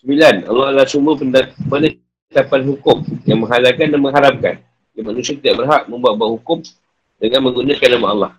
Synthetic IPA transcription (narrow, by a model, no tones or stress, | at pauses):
səmilanɑ̰lːɑhalasumbəəpənə | t̪apanɦukʊmjaŋmə̃ŋɦalakandanməŋɦaɾap̚ka̰n | ɡimanũsiat̪idaʔbərɦak̚mə̃mbuat̪̚buaʔhukʊm | dəŋanmə̃ŋɡunakanːamaɑlːɑh